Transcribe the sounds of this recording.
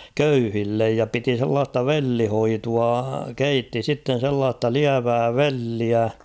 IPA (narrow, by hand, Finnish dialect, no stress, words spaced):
køyhilːej jɑ piti selːɑːstɑ ʋelːihoituɑ keitːi sitːen̞ selːɑːstɑ liæʋæː ʋelːiæ